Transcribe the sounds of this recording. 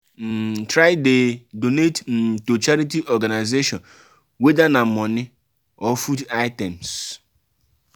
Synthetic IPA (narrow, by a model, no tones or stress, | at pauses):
n̩tɾaɪdedonetm̩tot͡ʃaɾit̬iʔɔɡanaɪzeʃɔn | wedanam̩mɔnɪ | ɔfudaɪtɛms